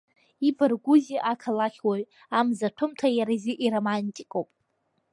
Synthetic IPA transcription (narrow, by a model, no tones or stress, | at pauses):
ibɨrɡʷuziʔakʰalaχʲwaɥ | amzatʷʰʊmtʰajaɾaziʔiɾomantʼikʼowpʼ